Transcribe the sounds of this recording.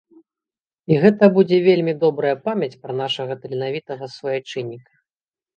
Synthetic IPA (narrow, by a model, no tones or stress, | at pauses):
iɣɛt̪ɐbud͡zʲɛvʲelʲmʲid̪ɔbɾɐjɐpamʲɐt͡sʲpɾɐnaʂɐɣɐt̪ɐlʲinavʲit̪ɐɣɐsvɐjat͡ʂɨnʲːikɐ̥